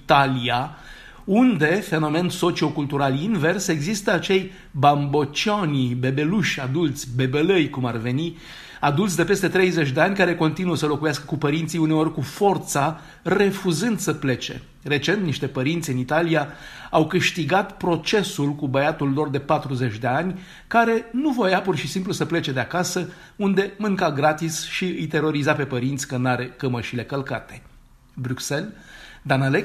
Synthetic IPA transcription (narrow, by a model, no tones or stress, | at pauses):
t̪alija | und̪e̞fe̞no̞me̞nso̞t͡ʃio̞kult̪uɾalinve̞rse̞ɡzist̪əat͡ʃe̞j | bambo̞t͡ʃonʲbe̞be̞luʃʲad̪ult̪sʲbe̞beləjkumarve̞ni | ad̪ult̪sʲd̪e̞pe̞st̪e̞t̪ɾe̞jze̞t͡ʃʲd̪e̞anʲkaɾe̞ko̞nt̪inuəsəlo̞kujaskə̥kupəɾint̪siune̞o̞rʲkufo̞rt̪sa | re̞fuzɨnd̪səple̞t͡ʃe̞̰ | re̞t͡ʃe̞nt̪̚niʃt̪e̞pəɾint̪sʲɨnit̪alija | awkɨʃt̪iɡat̪pɾo̞t͡ʃe̞sulkubəjat̪ulːo̞rd̪e̞pat̪ɾuze̞t͡ʃʲd̪e̞anʲ | kaɾe̞nuvojapurʃisimplusəple̞t͡ʃe̞d̪eakasə | und̪e̞mɨŋkaɡɾat̪isʃiɨjt̪e̞ɾo̞ɾizape̞pəɾint̪sʲkənaɾekəməʃile̞kəlkat̪e̞̥ | bɾukse̞ld̪anale